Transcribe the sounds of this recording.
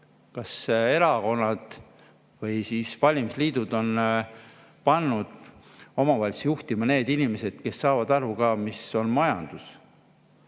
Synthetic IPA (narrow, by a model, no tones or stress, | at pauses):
kɑse̞ɾɑko̞nːɑd̪̥ | vɤjsiːsvɑlʲimsliːd̪̥ud̪̥o̞n | pɑnːud̪̥o̞mɑvɑlʲsjuht̪imɑne̞ːd̪inime̞se̞d̪̥ke̞sːɑːvɑd̪̥ɑɾukɑːmiso̞nmɑjɑnd̪̥us